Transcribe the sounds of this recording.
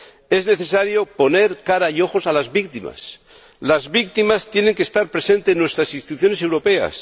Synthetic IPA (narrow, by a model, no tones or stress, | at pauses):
e̞zne̞θe̞saɾjo̞po̞ne̞ɾkaɾaio̞xo̞salazβik̚t̪ima̰s | lazβik̚t̪imast̪je̞neŋkeːst̪aɾpɾe̞se̞nt̪eːnːwe̞st̪ɾasinst̪i̥t̪uθjo̞nese̞wɾo̞pe̞a̰s